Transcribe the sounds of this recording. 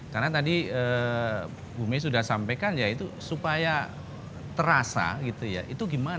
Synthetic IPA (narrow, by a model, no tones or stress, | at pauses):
karnat̪adiə | bumes̬udahsampajkand͡ʒait̪usupaja | t̪əɾasa̰ɡit̪uja̰ʔit̪uɡiman